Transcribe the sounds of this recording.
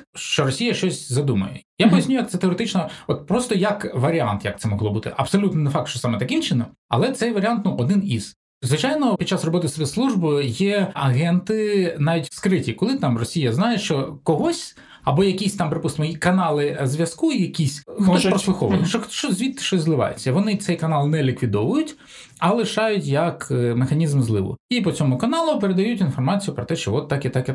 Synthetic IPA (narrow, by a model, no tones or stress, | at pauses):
ʃt͡ʃɔɾɔsʲijɐʃt͡ʃɔsʲzɐd̪umɐ̰jɛjapɔjɐsʲnʲujɐkt̪ɛt̪eɔɾet̪ɪt͡ʃnɔɔt̪̚pɾɔst̪ɔjɐkʋɐɾʲia̰nt̪jɐ̰k̚t̪sɛmɔɦlɔbut̪ɪ̰ʔɐbsɔlʲut̪nɪnɛfɑk̚t̪ʃt͡ʃɔsɑmɛt̪ɐkɪmt͡ʃɪnɔm | ɐ̰lˠɛt̪sɛjʋɐɾʲɪant̪nuʔɔd̪ɪniz̥ | zʋɪt͡ʃajnɔpʲid̪̥̚t͡ʃasrɔbɔt̪ɪspʲeslˠuʒbɪjɛɐɣɛnt̪ɪnɑʋʲitʲskɾɪtʲikɔlˠɪt̪ɑmrɔsʲijɐznɑjeʃt͡ʃɔkɔɦɔsʲ | ɐbɔjɐkʲisʲt̪ɑmpɾɪpust̪ɪmɔikɐnɑlˠɪzʋʲjɐskuijɐkʲisʲxt̪ɔspɾɔslˠɪxɔʋɐ̰nɛʃɔʃt͡ʃɔzʲʋʲit̪ːɪ̥ʃt͡ʃɔsʲzlˠɪʋɑ̰jḛt͡sʲːɐʋɔnɪt̪sɛjkɐnɑlˠnɛlʲikʋʲid̪ɔʋʊjʊtʲ | ɐlˠɪʃɑjʊtʲjɐkmexɐnʲizmzlˠɪʋʊ̰ipɔt͡sʲɔmʊkɐnɑlˠʊpeɾed̪ɐjutʲinfɔrmɑt͡sʲijʊpɾɔt̪ɛʃt͡ʃɔʋɔt̪ːɑkit̪ɑki